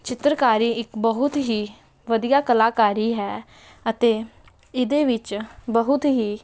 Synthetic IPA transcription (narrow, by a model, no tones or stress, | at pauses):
t͡ʃɪt̪ɾəkaːɾiːɪkbəɦʊt̪ɦiː | ʋəd̪ɪjaːkəlaːkaːɾiːɦɛː | ət̪eː | ɪd̪eːʋɪt͡ʃbəɦʊt̪ɦiː